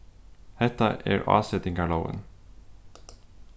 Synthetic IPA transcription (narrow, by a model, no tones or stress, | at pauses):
hɛt̪ɑʔeːɹʔɑ̰ːsɛt̪ɪŋɡɑɭəʊə̰n